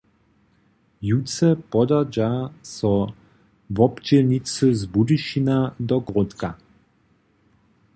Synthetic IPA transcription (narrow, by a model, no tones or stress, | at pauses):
jut͡sɛpɔd̪ad͡ʒasɔ | vɔbd͡ʑɛlɲit͡sɨzbudiʃinad̪ɔɡʁɔt̪ka